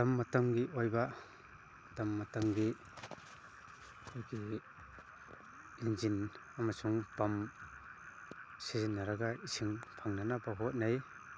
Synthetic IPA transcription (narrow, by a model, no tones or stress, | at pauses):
damːatamɡiʔojba | damːatamɡi | kʰɔjɡi | inzin | amasuŋpam | sizinːaɾaɡaisiŋpʰaŋnanabaɦɔt̚naj